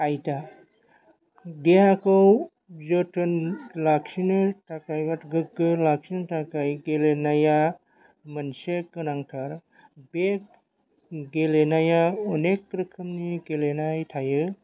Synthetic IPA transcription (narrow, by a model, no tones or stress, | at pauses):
ajta | deɦakɔw | zotʰɯnlaksinɯtʰakajbatɡɯkːɯlaksinɯtʰakajɡelenaja | mɐnsekːɯnaŋtʰaɾ | bek̚ | ɡelenajaɔnekːɾɯkʰɯmniɡelenajtʰajɯ